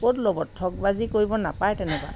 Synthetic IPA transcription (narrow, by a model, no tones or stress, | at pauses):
kotlɔbɔtʰːɔk̚bazikoɹibɔnapajtɛnɛkwa̰